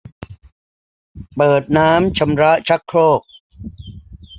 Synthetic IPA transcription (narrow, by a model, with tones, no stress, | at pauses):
pɤː˨˩t̪̚naː˦˥mt͡ɕʰa˧mɾa˦˥ʔt͡ɕʰa˦˥kʰːɾoː˥˩k̚